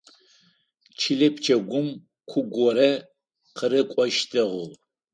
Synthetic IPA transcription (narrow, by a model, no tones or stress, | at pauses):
t͡ʃʰɪɮɐpʰt͡ʃʰɐɡʷʊm | kʷʰʊɡʷɔɾɐ | qʰəɾɨkʷʼɔʃtʰɐʁʷʊʁ